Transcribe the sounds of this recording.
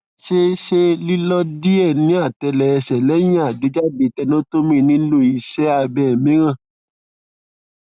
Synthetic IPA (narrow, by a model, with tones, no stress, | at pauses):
ʃe˦ʃe˦li˦lɔ˦di˦ɛ˦˨nĩ˦a˦˨tɛ˧lɛ˨ɛ˧ʃɛ˨lɛ˨˦j̃ĩ˦a˦˨do˨˦d͡ʒa˦de˨˧˨tɛ˧nõ˦to˦mĩ˦nĩ˦lo˦˨i˧ʃɛ˦a˦˧˨bɛ˨mĩ˨˦ɾ̃ã˦˨